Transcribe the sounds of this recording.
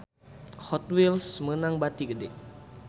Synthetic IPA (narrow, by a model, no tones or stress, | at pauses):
hɔt̪wilsmənaŋbat̪iɡədɛ̰